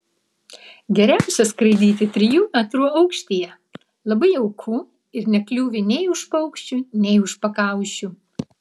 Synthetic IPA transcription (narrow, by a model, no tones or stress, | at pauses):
ɡʲɛɾʲæˑʊsʲɛskɾɐɪd̪ʲiːt̪ʲɪt̪ʲɾʲɪjuːmʲɛt̪ɾuːɐʊkʃʲt̪ʲijɛ | lˠɐbɐɪɐʊkʰuː | ɪɾnʲɛklʲuːʋʲɪnʲɛɪʊʃpɐʊkʃʲt͡ʃʲunʲɛɪʊʃpɐkɑˑʊʃʲu